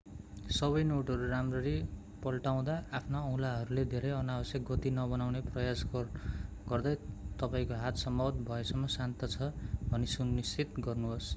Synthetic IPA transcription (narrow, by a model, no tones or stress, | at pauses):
sʌβʌjnoʈʌɾuramrʌɾi | pʌlʈaw̃d̪aːpʰnaʌwlaɦʌɾuled̪ʱeɾʌjʌnabʌsjʌk̚ɡʌt̪inʌbʌnawneprʌjas | ɡ̥ʌrd̪ʌjt̪ʌpaĩkoɦat̪sʌmbʌwʌt̪̚bʱʌesʌmːʌsant̪ʌt͡sʰʌbʱʌnisunist͡sit̪ɡʌrnuɦos